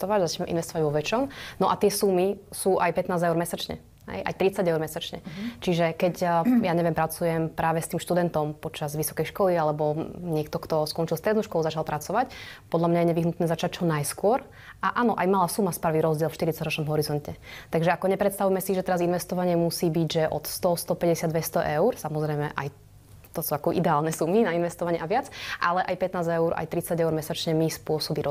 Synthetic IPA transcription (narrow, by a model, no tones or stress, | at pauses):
t̪ɔʋaɟzat͡ʃɲɛʔḭnʋɛst̪ɔʋaɟʋɔʋɛt͡ʃɔmnɔʔat̪ɪɛsumisuːʔajpɛt̪naːzɛʊɾmɛsat͡ʃɲɛ̰ | ɦɛ̰jʔa̰jt̪ɾit͡saɟɛʊɾmɛsat͡ʃɲɛ̰t͡ʃiʒɛkɛcjaɲɛʋjɛmpɾat͡sujɛmpɾaːʋɛst̪iːmʃt̪ud̪ɛnt̪ɔmpɔt͡ʃazʋisɔ̥kɛjʃkɔlialɛbɔɲɪɛkt̪ɔkt̪ɔskɔnt͡ʃilst̪ɾɛd̪nuʃkɔlˠuzat͡ʃalˠpɾʔat͡sɔʋacpɔd̪lamɲajɛɲɛʋiɦnut̪nɛːzat͡ʃac̚t͡ʃɔnajskʊɔɾ | ʔaʔanɔʔajmalasumasp̩ʋiːɾɔzɟɪɛlfʃt̪iɾitt͡saɟɾɔt͡ʃnɔmɦɔɾizɔncɛt̪aɡʒɛakɔɲɛpɾɛt̪st̪aʋujmɛsiʒɛt̪ɛɾazinʋɛst̪ɔʋaɲɪɛmusiːbiɟʒɛʔɔ̰t̪st̪ɔst̪ɔpɛɟɛsɪad̪ʋɛst̪ɔʔɛʊɾsamɔzɾɛjmɛ̰ʔa̰j | t̪ɔsuakɔʔḭd̪ɛaːlˠnɛsuminainʋɛst̪ɔʋaɲɪɛaʋɪat͡sʔalɛʔajpɛt̪naːzɛʊɾa̰jt̪ɾit͡saɟɛʊɾmɛsat͡ʃɲɛmispʊɔsɔbiɾɔ